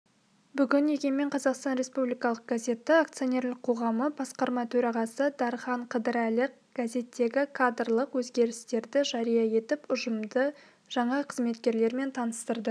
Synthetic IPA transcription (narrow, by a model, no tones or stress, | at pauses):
bʏɡʲɪne̞kʲe̞me̞ɴqʰɑzɑqst̪ɑnɾe̞spublijkɑlˠəq̚ɡ̥azʲe̞t̪ɪakt̪sio̞nʲe̞ɾlɪq̚qʰo̞ʁɑməbɑsqɑɾmɑt̪ʰɵɾɑʁɑsəd̪ɑɾχɑɴqʰəd̪əɾælɪk | ɡ̥azʲe̞t̪ːe̞ɡʲɪkʰad̪rlˠəqwɵzɡʲe̞ɾɪst̪e̞ɾd̪ɪʒɑɾijɑje̞t̪ɪpʊʒəmd̪ə | ʒ̥ɑɴɑqʰəzme̞t̪kʲe̞ɾle̞ɾme̞nt̪ʰɑnəst̪əɾd̪ə